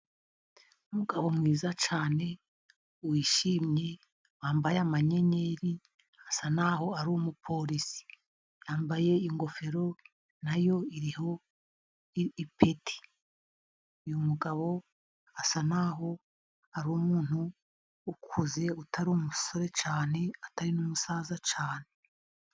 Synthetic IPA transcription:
umuɡaβo̞mŋiːzat͡ʃaːne̞ | uwiːʃiːmɲe | waːmbajamaɲe̞ɲe̞ɾi | asanaɦo̞aɾuumupʰo̞ɾisi̥ | jaːmbaje̞iŋɡo̞fe̞ɾo̞ | najo̞iɾiho̞ | ipʰetʰi̥ | ujumuɡaβo̞ | asanaːɦo̞ | aɾumuːn̥huː | kʰuze̞utʰaɾiumuso̞ɾe̞t͡ʃaːne̞ataɾinumusaːzat͡ʃaːne̞

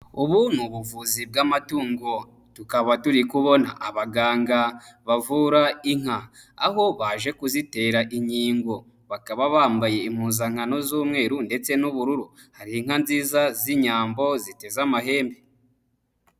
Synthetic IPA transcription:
uβun̥huβuvuzib̚ɡamatuːŋɡo̞ | tukaβatuɾikuβo̞na̰ʔaβaɡaːŋɡaβavuɾaiŋ̥ha | aho̞βaʒe̞kuzite̞ːɾaʔiɲiːŋɡo̞ | βakaβaβaːmbaje̞imhuːzaŋ̥ano̞zuːmŋe̞ːɾunde̞t͡se̞nuβuɾuɾu | haɾiiŋ̥anziːzaziɲaːmbo̞zite̞zamaɦe̞ːmbe̞

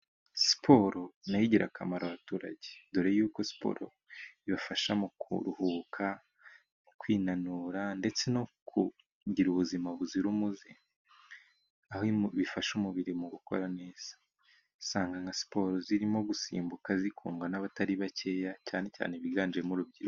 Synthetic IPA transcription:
si̥pʰo̞ɾo̞najiɟiɾʔa̰kʰamaɾaβatuːɾa̰ɟeduɾejejuːko̞si̥po̰ːɾo | iβafaʃamukṵɾuhuːkʰa | mukwiːnanuɾande̞t͡se̞no̞kʰu | ɟiɾuβuzimaβuziɾumuzi | ahiβifaʃumuβiɾimuɡuko̞̰ɾane̞ːz̥ḁ | saːŋɡaŋɡasi̥po̞ɾoziɾimo̞ɡusḭːmbukazikʰṵːŋɡanaβataɾiβace̞ːjaca̰ːne̞ca̰ːneβiɡaːnd͡ʒiemuɾubɟiɾu

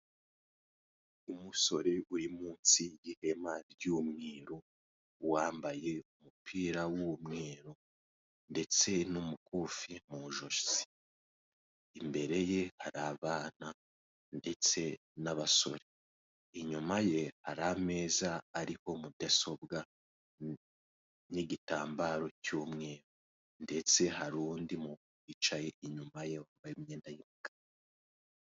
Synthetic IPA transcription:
umuso̞ɾe̞ʔuɾimuːnsijihe̞maɾɟumŋiːɾo | waːmbaje̞umupʰiːɾawumŋeːɾo | nde̞t͡se̞numukufimuʒoʃsi̥ | imbe̞ɾe̞je̞haɾaβaːna | nde̞t͡se̞ | naβaso̞̰ɾe | iɲumaje̞haɾame̞ːzaːɾiho̞mubɟaso̞bɡa | niɟitaːmbaɾo̞cuːmŋe̞ːɾo | nde̞t͡se̞haɾuːndimukuit͡ʃaje̞ʔiɲumaje̞wambajimɲeːndajimukḁ

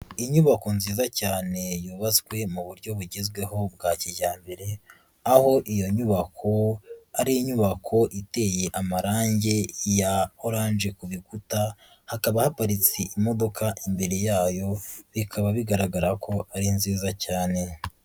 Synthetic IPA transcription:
iɲuβako̞nziːzacaːne̞juːβazɡwe̞muβuɾɟo̞βuɟezɡwe̞ɦo̞b̚ɡaːciɟaːmbe̞ɾe̞ | aho̞ʔijo̞ɲuβakʰo̞aɾiiɲuβakʰo̞ʔite̞je̞ʔamaɾaːɲɟe̞jaoɾaːnʒekuβiɡuta | hakaβahapaɾit͡siʔimo̞do̞kaʔimbe̞ɾe̞jaːjo̞βikʰaβaβiɡaɾaɡaɾakʰo̞aɾinziːzacaːne̞

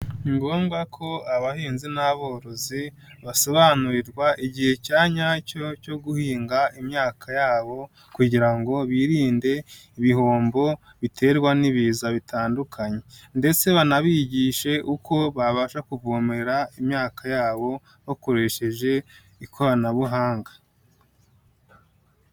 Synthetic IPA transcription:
ŋɡoːmɡakʰo̞aβahiːnzinaβo̞ːɾo̞zi | βaso̞βanuɾiɾɡwaʔiɟihe̞caːɲacoco̞ɡuhiːŋɡaimɲaːkʰajaːβo̞ | kuɟiɾaŋɡo̞βiːɾiːnde̞iβiho̞ːmbo̞ | βitʰe̞ːɾɡwaniβiːzaβitaːndukʰaɲe̞nde̞t͡se̞βanaβiːɟiːʃe̞ʔukʰo̞βaβaʃakuvoːmeɾaimɲaːkʰajaːβo̞ | hoko̞ɾe̞ʃe̞ʒe̞ | ikʰoɾanaβuɦaːŋɡḁ

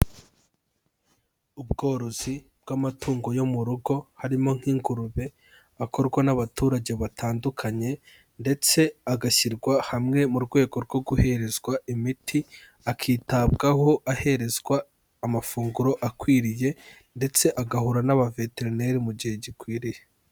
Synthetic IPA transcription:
ubɡo̞ːɾo̞z̥i | b̥̚ɡamatʰuːŋɡo̞jo̞muɾuɡo̞haɾimo̞ŋ̥hiːŋɡuɾuβe̞ | akʰo̞ɾɡwanaβatuːɾaɟe̞βatʰaːndukʰaɲe̞ | nde̞t͡se̞aɡaʃiɾɡwahamŋe̞muɾɡwe̞ːɡo̞ɾɡo̞ɡuhe̞ɾe̞zɡwaimitʰi | akʰiːtab̚ɡaho̞ʔahe̞ɾe̞zɡwaː | mafuːŋɡuɾo̞ʔakwiːɾije̞ | nde̞t͡se̞ʔaɡahuɾanaβave̞te̞ɾne̞ɾimuɟihe̞ɟikwiːɾije

